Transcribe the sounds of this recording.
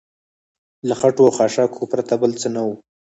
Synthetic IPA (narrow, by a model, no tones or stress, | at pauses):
laxaʈoaxɑʃɑkʰopɾat̪abəlt͡sənawu